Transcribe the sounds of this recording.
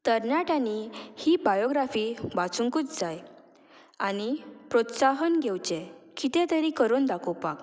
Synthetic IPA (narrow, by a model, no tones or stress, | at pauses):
t̪əɾnaʈanihibajoɡɾafibat͡suŋkuːt͡sd͡zaj | anipɾɔt̪saɦənɡʱewt͡ɕẽkit̪ɛ̃t̪əɾikəɾoːnd̪akʰowpak